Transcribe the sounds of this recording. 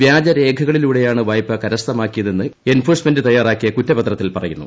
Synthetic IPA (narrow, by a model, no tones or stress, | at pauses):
ʋjaːd͡ʑɐɾe̞ːkʰɐɣɐɭiluːɽejaːɳɨʋaːjpːɐkɐɾɐst̪ɐmaːkːijɐðenːɨe̞nfoːrsme̞ndɨt̪ɐjːaːraːkːijɐkutːɐpɐt̪rɐt̪ːilpɐrɐ̰junːṵ